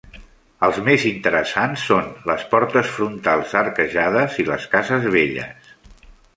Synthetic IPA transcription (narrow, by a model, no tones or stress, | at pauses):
əlˠzmezint̪əɾəsansːonləspɔɾt̪əsfɾunt̪alˠzərkəʒaðəziləskazəzβeʎə̰s